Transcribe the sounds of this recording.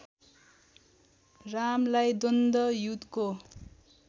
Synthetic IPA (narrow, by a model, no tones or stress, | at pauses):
ramlajd̪ond̪ʌjut̪ko